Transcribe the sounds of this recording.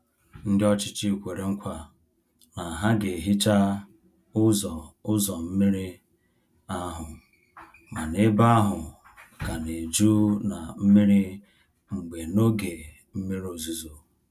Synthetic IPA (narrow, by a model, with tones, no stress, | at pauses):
n̩˦dɪ˦ɔ˦t͡ʃɪ̥˦t͡ʃi˦kʷe˨ɾe˨ŋ̩˦kʷa˦ | na˨ɦa˦ɡe˨ɦi˦t͡ʃa˦ | zʊ˦zɔ˨m̩˦mi˦ɾi˦ | a˦ɦʊ˨ | ma˨ne˦ba˦a˦ɦʊ˨ | ka˨ne˨d͡ʒu˦na˨m̩˦mi˦ɾi˦ | ŋ͡m̩˨ɡ͡be˨no˦ɡe˨ | m̩˦mi˦ɾo˨zu˦zo˦